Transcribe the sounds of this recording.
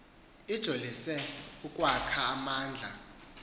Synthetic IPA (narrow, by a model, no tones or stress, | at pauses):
id̥ʒ̥ʱolisɛukʼwakʰaːmaːnd͡ɮʱa